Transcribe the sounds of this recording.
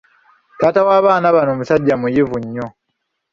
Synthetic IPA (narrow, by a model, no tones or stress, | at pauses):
taːtawaːβaːnaβanoːmusaɟːamujivuɲːo̞